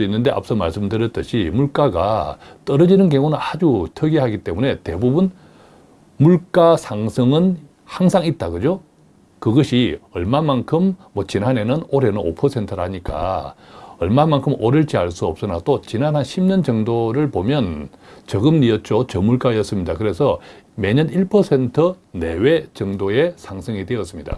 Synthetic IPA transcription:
inːɯnde̞ʔa̰p̚s͈ʌmaɭs͈ɯmdɯɾjʌt͈ɯɕʰimuɭk͈aɡa̰t͈ʌɾʌd͡ʑinɯnk̬jʌŋunɯnad͡ʑutʰʌɡeɦaɡit͈e̞mune̞te̞bubun | muɭk͈asʰaŋsʰʌŋɯn | haŋsʰaŋit̚t͈aɡɯd͡ʑo | kɯɡʌɕʰiʌ̰ɭmamankʰɯmːʌt͡ɕinɦane̞nɯnoɾe̞nɯno̰pʰʌsʰe̞ntʰɯɾaɲik͈a̰ | ʌ̰ɭmamːankʰɯmʔʌɾɯɭt͡ɕ͈iaɭs͈uʌp̚s͈ɯna̰t͈ot͡ɕinanɦanɕʰimɲʌnd͡ʑʌŋdoɾɯɭpomjʌnt͡ɕʌɡɯmniʌt̚t͡ɕ͈ot͡ɕʌmuɭk͈aijʌs͈ɯmɲidakɯɾe̞sʰʌme̞ɲʌniɭpʰʌsʰe̞ntʰʌ | ne̞wet͡ɕʌŋdoe̞sʰaŋsʰʌŋidwe̞ʌs͈ɯmɲida̰

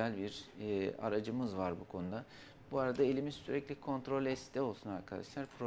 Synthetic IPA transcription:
ælʲbiɾa̰ɾad͡ʒɯmɯzvaɾbukʰo̞nud̪a | buaɾad̪ae̞lʲimiz̥syɾɛclʲikʰo̞nt̪ɾo̞lʲɛst̪d̪ʰɛo̞lˠsunaɾkʰad̪a̰ʃlˠaɾpʰɾo

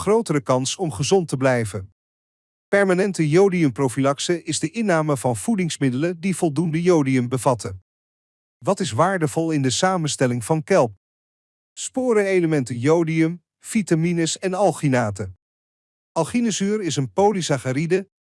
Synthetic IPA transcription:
χrowtəɾəkɑnsɔmχəzɔntəblɛjvən | pɛɹmaːnɛntəjowdiəmprowfilɑksəʔɪzdəʔɪnaːməvɑnv̥udɪŋsmɪdələdiv̥ɔlˠdundəjowdiəmbəvɑtə | ʋɑtɪsʋaːɹdəvɔlˠɪndəsaːmənstɛlɪŋv̥ɑnkɛlˠp̚ | spʊːɾəejləmɛntəjowdiɵm | fitaminəsɛnɑlˠχinaːtə | ɑlˠχinəzyːɾɪsənpowlisaχaɾidə

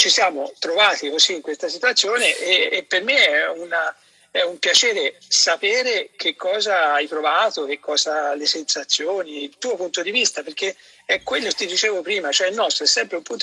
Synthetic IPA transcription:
t͡ʃisjaːmot̪ɾovaːt̪ikoziːŋkwest̪as̬it̪uat̪sːjoːneʔeːpːermeɛuna | ɛumpjat͡ʃeːɾesapeːɾek̟ʰekʰːɔːzaajpɾovaːt̪ok̟ekːɔːzalesensat̪sːjoːniːlt̪uːopunt̪od̪ivist̪aperk̟e | ɛkːwelːoket̪id̪it͡ʃeːvopɾiːmat͡ʃoɛilnɔst̪ɾoɛsːɛmpɾeumpunt̪

